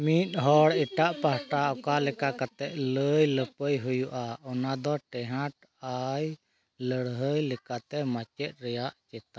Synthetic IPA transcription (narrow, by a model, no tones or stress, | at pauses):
mit̪̚ˀɦɔɽɛʈaʔpahʈaɔkalɛkakat̪ɛʔləjləpəjɦujuʔaʔɔnad̪ɔʈɛɦãʈ | aj | ləɽɦəjlɛkat̪ɛmat͡ʃɛt̪̚ˀɾɛjaʔt͡ʃɛt̪a